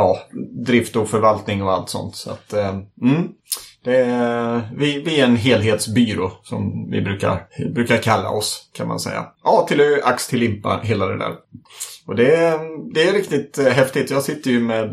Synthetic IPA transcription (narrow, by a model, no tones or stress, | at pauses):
ɑːd̪ɾɪft̪ɔfœɾvalt̪nɪŋɔa̰lt̪sɔ̰nt̪sa̰t̪ːm̩ | d̪̥ɛ | vɪvɪæɛnɦeːlɦeːt̪sbyːɾʊsɔ̰mvɪ̰bɾʉ̟ːka̰ɾbɾʉ̟ːkaɾkʰalːa̰ɔskʰanma̰nsɛ̰jːa̰ʔɑːt̪ʰɪlɔʔakst̪ʰɪlːɪmpːa̰ɦeːlad̪ɛ̰d̪æ̰ːɾɔd̪ɛd̪ɛæɾɪkt̪ɪt̪ɦɛft̪ɪt̪ʰjɑːɡsɪt̪ːəɾjɵmeːd̪